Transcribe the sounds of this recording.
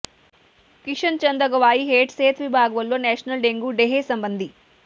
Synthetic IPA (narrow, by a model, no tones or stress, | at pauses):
kiʂɐnt͡ʃɐnd̪ɐɡɐʋaːjiɦeːʈseːt̪ʋibʱaːɡɐʋɐlːo̞ːnɛːʂɐnɐlɖeŋɡuɖeɦeːsɐmbɐnd̪i